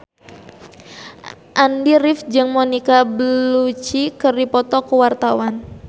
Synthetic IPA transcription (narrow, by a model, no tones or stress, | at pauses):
ʔandirɪfd͡ʒɨŋmonikabəlut͡ʃikɨrdipɔt̪ɔkəwart̪awan